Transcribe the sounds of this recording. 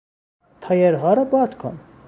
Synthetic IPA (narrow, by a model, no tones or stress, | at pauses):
t̪ʰɑjɛɾʁɑɾəbɑt̪kʰɔ̰n